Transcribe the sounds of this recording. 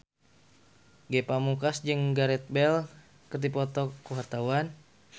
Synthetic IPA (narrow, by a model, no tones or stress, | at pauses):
ɡɛpamukasd͡ʒɨŋɡaɾɛt̪̚bɛl | kərdipɔt̪ɔkːuɦart̪awan